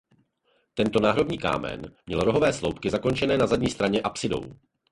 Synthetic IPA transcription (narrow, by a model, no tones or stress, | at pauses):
t̪ɛnt̪o̞naːɦɾo̞bɲiːka̰ːmɛ̰nmɲɛlɾo̞ɦo̞vɛːslowpkɪzako̞nt͡ʃɛnɛːnazadɲiːst̪ɾaɲɛʔapsɪdo̞̰w